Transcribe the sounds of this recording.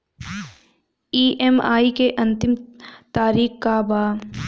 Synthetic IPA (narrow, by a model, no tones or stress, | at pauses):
iːʔɛma̰ːikeʔɐ̃nt̪ɪmt̪aːɾiːxkabaː